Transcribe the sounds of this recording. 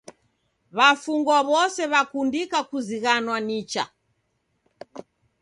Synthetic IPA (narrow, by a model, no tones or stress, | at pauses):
βafuŋɡwaβɔsɛβakundikakuziɣanwanit͡ʃa̰